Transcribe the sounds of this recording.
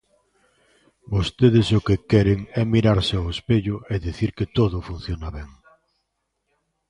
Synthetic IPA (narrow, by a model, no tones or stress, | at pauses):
bost̪eðɪsʊkɪkɛɾeŋɛmiɾaɾsɪaʊespeʎʊeðiθiɾkɪt̪oðʊfun̟θjonaβɛŋ